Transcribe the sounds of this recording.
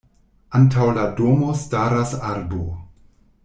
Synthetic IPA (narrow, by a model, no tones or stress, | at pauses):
ʔantʰawladomostaɾasaɾbo